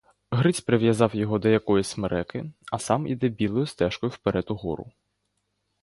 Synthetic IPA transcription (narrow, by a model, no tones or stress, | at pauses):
ɦɾɪt͡sʲpɾeʋjɐzɑwjɔɦɔd̪ɔjɐkɔjɪsʲmeɾʔɛkɪɐsɑmḭd̪ɛbʲilˠɔjʊst̪ɛʃkɔjʊwpeɾɛt̪ʊɦɔ̰ɾʊ̰